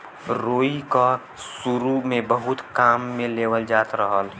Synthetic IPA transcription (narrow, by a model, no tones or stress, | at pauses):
ɾoːika | sʊɾumẽbəɦʊt̪kaːmːẽleːʋəld͡ʒaːt̪ɾəɦəl